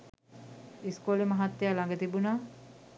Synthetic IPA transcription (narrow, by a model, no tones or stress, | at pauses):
iskolemaɦat̪ːejalaŋɡət̪ibunaː